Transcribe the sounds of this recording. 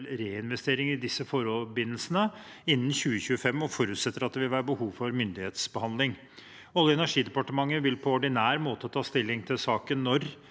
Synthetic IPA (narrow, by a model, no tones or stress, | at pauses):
lɾeːɪnʋɛst̪eːɾɪŋɪd̪ɪsːəfɔɾɔbɪnːəlsənə | ɪnːn̩çʉːəçʉːəfɛmːɔfɔɾʉːt̪sɛt̪ːəɾɑt̪̚d̪ɛʋɪlhæɾbəhuːʋfɔɾmʏnd̪ɪheːt̪sbəhɑnd̪lɪŋ | ɔlːəɛnæʂiːd̪ɛpɑʈəmɑŋːəʋɪlpʰɔɔɖɪnæːɾmoːt̪ət̪ʰɑːst̪ɪlːɪŋt̪ʰɪlsɑːkənːɔɾ